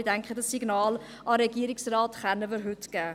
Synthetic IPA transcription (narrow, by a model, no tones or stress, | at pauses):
idɛŋkχədɑsːiɡnɑːl | ɑɾɛɡiəɾɪksrɑːtχɛnːəʋɪɾɦʉtɡ̥æː